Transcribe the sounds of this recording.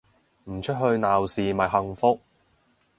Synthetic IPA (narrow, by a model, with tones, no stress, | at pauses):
m̩˨˩t͡ʃʰɵ˥t̚ɦɵ˧ɥnaː˨wsiː˨mɐ˨˩jɦɐ˧ŋfʊ˥k̚